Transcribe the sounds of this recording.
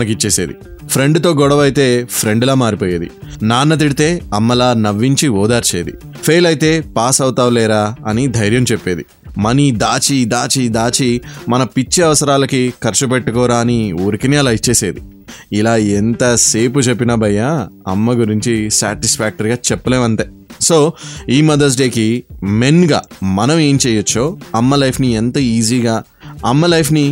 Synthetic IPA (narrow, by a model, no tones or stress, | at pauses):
nɐkit͡ʃːeːseːd̪ḭ | pʰɾe̞ɳɖt̪o̞ːɡɔɽɐʋɐjt̪e̞ːpʰɾe̞ɳɖlaːmaːɾipoːjeːd̪ḭnaːnːɐt̪̬iɽit̪e̞ːɐmːɐlaːnɐʋːiɲt͡ʃiɔːd̪aːɾt͡ʃeːd̪ḭ | pʰeːlɐjit̪e̞ːpaːsɐwt̪aːʋlɛːɾaːɐnid̪ʱɐjɾjɐmt͡ʃepːe̞ːd̪i | mɐnid̪aːt͡ʃid̪aːt͡ʃid̪aːt͡ʃimɐnɐpit͡ʃːiɐʋɐsɐɾaːlɐkikɐɾt͡ʃup̬eʈːukɔːɾaːniuːɾikiniɐlaːjit͡ʃːeːseːd̪i | ilaːent̪ɐse̞ːput͡ʃepːinɐbɐjaɐ̰mːɐɡuɾiɲt͡ʃisaːʈispʰaːk̚ʈɐɾiɡaːt͡ʃɛpːɐleːmɐɳʈeː | so̞ːiːmɐd̪ɐɾs̬ɖe̞ːkime̞nɡa̰ːmɐnɐme̞ːmt͡ʃɛːjɐt͡ʃːoːɐmːɐlɐjpʰnient̪ɐiːziːɡaː | ɐmːɐlɐjpʰni